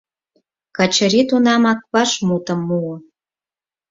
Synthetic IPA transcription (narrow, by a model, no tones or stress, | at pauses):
kɑt͡ɕə̆ɾit̪unɑmɑk̚βɑʃmut̪ə̆mːuo